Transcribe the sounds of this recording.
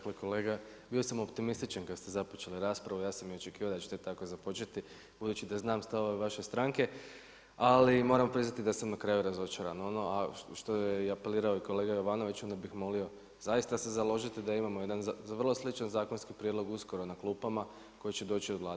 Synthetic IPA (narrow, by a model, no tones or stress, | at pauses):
kleko̞leːɡa | biosamo̞pt̪imist̪it͡ʃankad̪st̪e̞zapot͡ʃe̞liɾaːspɾaʋujaːsamjio̞t͡ʃe̞kiːʋaod̪at͡ʃet̪et̪akozapo̞t͡ʃe̞t̪i | b̥ud̪ut͡ʃid̪aznaːmst̪aʋo̞ʋeʋaʃest̪ɾaŋke̞ | alimo̞ːɾamopɾiznat̪id̪asamnakɾajuɾazo̞t͡ʃaɾanono̞ʔaʃt̪ojeiape̞liːɾaoiko̞le̞ːɡajo̞ʋano̞ʋit͡ʃo̞nd̪abixmo̞lio̞ | zajist̪ase̞zalo̞ʒit̪id̪aimamoje̞d̪anʋrlˠo̞slit͡ʃanzaːko̞nskipɾʲjed̪loɡusko̞ɾo̞naklˠuːpama | ko̞jit͡ʃe̞d̪o̞ːt͡ʃioʋlˠaː